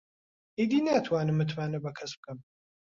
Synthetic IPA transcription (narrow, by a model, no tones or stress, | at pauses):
id̪inaːt̪ʰwaːnəmɨt̪ʰwaːnɐbɐkʰɐsb̚kɐm